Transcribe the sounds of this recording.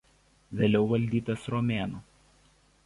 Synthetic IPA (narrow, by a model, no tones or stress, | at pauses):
ʋʲeːlʲɛʊʋɐlʲd̪ʲiːt̪ɐsɾɔmʲeːnuː